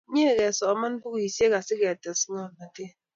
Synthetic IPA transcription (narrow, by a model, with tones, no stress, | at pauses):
ɲe˦˨ɣe˨sɔ˨ma˦n̩˦pu˦ki˨se˦ka˨si˦ɣe˨a˨ta˨si˦ɲɔ˦˨na˨te˦˨